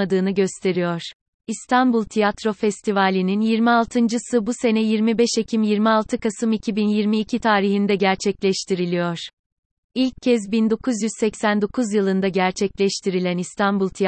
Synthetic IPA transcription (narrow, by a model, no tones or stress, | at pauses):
ad̪ɯːnɯɟø̞st̪ʰe̞ɾijoɾ̥ | ist̪ʰanbulˠt̪ʰijat̪ɾo̞fɛst̪ʰivalʲininjiɾmialˠt̪ʰɯnd͡ʒɯsɯbuse̞nɛjiɾmibɛʃe̞cʰimjiɾmialˠt̪ʰɯkasɯmicʰibinjiɾmiːcʰit̪ʰaːɾiɦind̪ɛɟæɾt͡ʃʰɛclʲɛʃt̪ʰiɾilʲijoɾ̥ | ilʲc̚ʰːɛzbind̪o̞kʰuzjyz̥sɛcsænd̪o̞kʰuzjɯlˠɯnd̪aɟæɾt͡ʃʰɛclʲɛʃt̪ʰiɾilʲænist̪ʰanbulˠt̪ʰi